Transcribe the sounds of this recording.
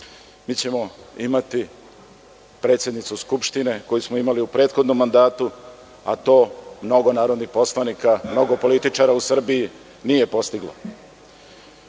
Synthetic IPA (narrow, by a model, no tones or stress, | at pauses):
miːt͡ɕe̞mo̞imat̪i | pɾe̞ːt̪sjed̪nit̪suskupʃt̪ine̞ko̞jismoimaliupɾe̞ːt̪xo̞d̪no̞mːand̪aːt̪u | a̰t̪o̞ːmno̞ɡo̞naːɾo̞d̪nixpo̞slanikamno̞ɡo̞po̞lit̪it͡ʃaɾausr̩bii | nije̞po̞st̪iɡlo̰